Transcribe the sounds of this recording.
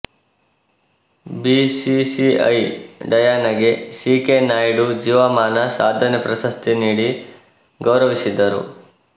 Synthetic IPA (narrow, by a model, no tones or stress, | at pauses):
bisisiɐ̰jɖɐjaːnɐɡe̞siːkenaːjɽud͡ʒiːʋɐmaːnɐsaːd̪ʱɐnepɾɐsɐst̪ʰiniːɽi | ɡɐwɾɐʋisid̪ɐɾṵ